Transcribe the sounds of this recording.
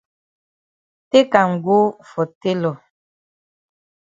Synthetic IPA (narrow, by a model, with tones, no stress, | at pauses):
te˦ka˨ŋ̩˨ɡo˦fɔ˨te˦lɔ˨